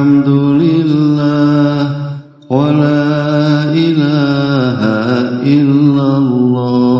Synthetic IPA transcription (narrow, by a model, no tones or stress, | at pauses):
amd̪ʊlɪlːaː | qalaːʔɪlaːɦaɪlːalːɑː